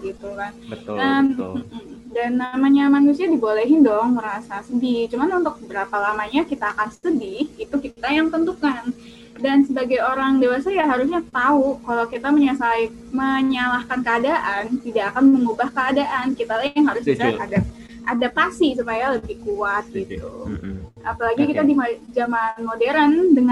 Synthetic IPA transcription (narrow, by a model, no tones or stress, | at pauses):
ɡit̪ukanʔəm̩ | danːamaɲamanus̬iadibolɛɦɪndɔŋməɾasasədɪht͡ʃumanunt̪ʊk̚bəbəɾapalamaɲakit̪aːkansədɪhɡit̪ukit̪ajaŋt̪ənt̪ukan | dansəbaɡajoɾaŋdewasajaɦaɾus̬ɲat̪aukalawkit̪aməɲasai | məɲalahkankəadaʔant̪idaʔːkanməŋubahkəadaʔankit̪alajaŋɦaɾʊsisaakada | ʔadapasisupajaləbɪhkuat̪̚ɡit̪ṵ | ʔapalaɡikit̪adid͡ʒamanmodeɾandəŋ